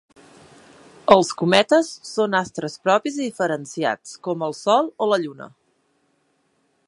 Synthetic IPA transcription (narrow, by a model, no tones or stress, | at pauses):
əlˠskumɛt̪əsːonast̪ɾəspɾɔpiziðifəɾənsia̰t͡skɔməlˠsɔlˠoləʎunə̰